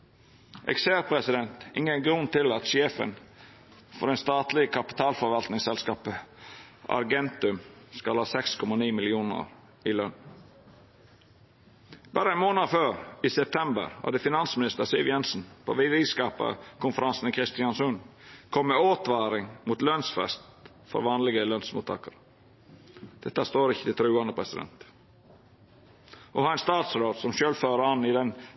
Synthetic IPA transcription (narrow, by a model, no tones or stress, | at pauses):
ʔɛ̰kseːɾpʰɾɛsɪd̪ɛnt̪ɪŋəɡɾʉnt̪ʰɪlɑt̪ʃeːfə̰n | fɔɾɛɪnst̪ɑːt̪lɪkʰɑpɪ̥t̪ʰɑːlfɔɾʋɑlt̪nɪŋsɛlskɑːpə | ɑ̰ɾɡɛnt̪ʉmskɑlhɑːsɛkskʰɔmɑniːmɪlɪuːnə̰ɾ | ɪlœn | bɑːɾəɛnmoːnəɾføːɾiːsɛp̚t̪ʰɛmbə̰ɾhɑ̰d̪əfɪnɑnsmɪnɪst̪əɾsɪlʋjɛnsn̩pʰo̰ːʋɪd̪ɪskɑːpə̰kʰʊnfəɾɑnsn̩kʰɾɪst̪ɪɑnsʉnkʰɔmːɛoːt̪ʋɑːɾɪŋmut̪lœnsfɛ̰st̪ | fɔ̰ɾʋɑːnlɪɡəlœnsmuːt̪ʰːɑ̰ːkəɾ | d̪̥ɛt̪ːəst̪oːɾɪçːə̥t̪ɪt̪ʰɾʉːɑnəpʰɾɛsɪd̪ɛ̰nt̪ | ʔɔhɑːɛnst̪ɑːt̪sɾoːd̪sɔmʃøːlføːɾəɑnːɪd̪ɛn